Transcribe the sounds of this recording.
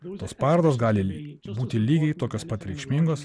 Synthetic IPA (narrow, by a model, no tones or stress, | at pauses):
t̪oːspɑːɾd̪oːsɡɑːlʲɪbuːt̪ʲɪlʲiːɡʲɛɪt̪oːkʲoːspɐt̪ɾʲɛɪkʃʲmʲɪŋɡoːs